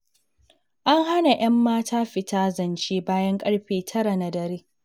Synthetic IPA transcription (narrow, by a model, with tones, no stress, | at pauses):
ʔa˦ŋɦa˦na˨j̰ɐ˦mːaː˦tʰaː˦ɸɪ˨taː˦zɐ˨nt͡ʃeː˦baː˦jɐ˦ŋkʼɐ˦ɽɸeː˨tʰɐ˦ɾa˨na˨dɐ˨ɾeː˦